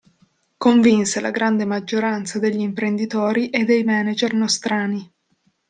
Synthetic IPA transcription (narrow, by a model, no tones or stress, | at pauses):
koɱvinsela̰ɡɾand̪emad͡ʒːoɾant̪sad̪eʎːiːmpɾend̪it̪oːɾiʔed̪ːejmɛːnad͡ʒernost̪ɾaːni